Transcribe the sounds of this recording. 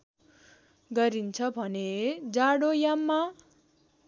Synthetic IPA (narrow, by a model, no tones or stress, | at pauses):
ɡʌɾint͡sʰʌbʱʌned͡zaɽojamːa